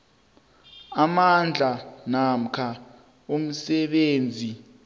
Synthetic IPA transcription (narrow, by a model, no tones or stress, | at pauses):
amand͡ɮʱanam̩kʰa | um̩sɛɓeːnd͡zʱi